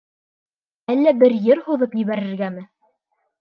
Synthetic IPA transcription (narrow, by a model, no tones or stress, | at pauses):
ælːæbɘɾjɘɾhuðɤpjiβæɾɘ̆ɾɡæmɘ